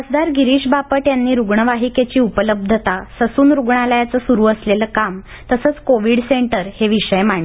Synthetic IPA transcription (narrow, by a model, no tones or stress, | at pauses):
əsd̪aɾɡiɾiːɕbapəʈjanːiːɾuɡɳəʋaɦiket͡ɕiːupələb̚d̪ʱət̪asəsuːnɾuɡɳalajat͡səsuɾuːəsleləkam | t̪əsəːt͡skoʋiɽseɳʈəɾheʋiʂəjmaɳ̃